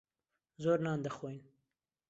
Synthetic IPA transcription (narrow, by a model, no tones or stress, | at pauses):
zoːɾnɑːnd̪əxwojn